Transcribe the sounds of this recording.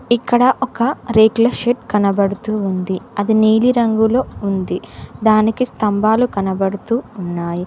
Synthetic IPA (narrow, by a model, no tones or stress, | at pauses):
ikːɐɽɐʔɔkɐɾeːklɐʃeʈ̚kɐnɐbɐɽut̪uːnd̪iɐd̪iniːliɾɐŋɡulo̞ːund̪id̪aːnikist̪ɐmbaːlukɐnɐbɐɽut̪uːnːaːji